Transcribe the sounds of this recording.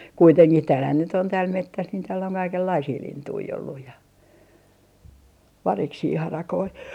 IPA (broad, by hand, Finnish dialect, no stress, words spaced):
kuiteŋkih tæːlhæn nyt on tæːl metːæs niːn tæːl oŋ kɑikelːɑisiː lintui olːuj jɑ ʋɑriksiː hɑrɑkoi